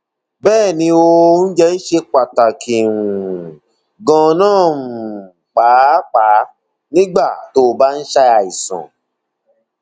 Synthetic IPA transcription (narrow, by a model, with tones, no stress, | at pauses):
bɛː˦˨nĩ˧o˧n̩˦d͡ʒɛ˦i˦ʃe˧k͡pa˨ta˨kʰi˨ɾu˨ | ɡɔ̃˧nãː˦˨ | k͡pa˨˦k͡pa˨˦ | nĩ˦ɡ͡ba˦˨to˦˨ba˦n̩˦ʃa˧a˨i˨sã̰˨